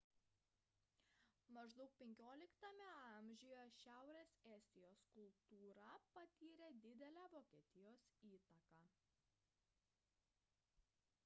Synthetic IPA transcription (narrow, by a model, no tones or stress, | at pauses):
mɐʒd̪ɒʊk̚pʲɛŋʲkʲoːlʲɪkt̪ɐmʲɛɐˑmʲʒʲʊjoʃʲæˑʊɾʲeːsɛːsʲt̪ʲɪjoːskʊlˠt̪uːɾɑpɐt̪ʲiːɾʲed̪ʲɪd̪ʲɛlʲæːʋoːkʲiɛt̪ʲɪjoːsiːt̪ɐkɑː